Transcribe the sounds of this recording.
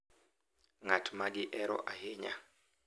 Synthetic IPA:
ŋatʰmaɡɪʔɛɾɔ̰ʔaɦeɲa̰

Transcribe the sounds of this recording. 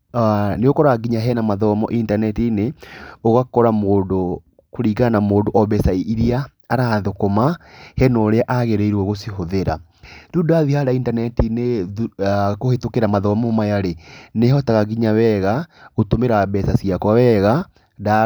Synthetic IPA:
neɣokɔɾaɡiɲaɦɛnamaðɔmɔ̰ʔintanɛtineoɣakɔɾamoːndo | koɾiːɣanamoːndoʔɔβɛsaiɾiaː | ɾaðokomahɛnɔɾeaʔaɣeɾɛiɾwɔɣosihoðeɾa | dudoaðihaɾaintanɛtine | kohetokeɾamaðɔmɔmajaɾeneɦɔtaɣaɡiɲawɛɣaɣotomeɾabɛsasiakwawɛɣa | da

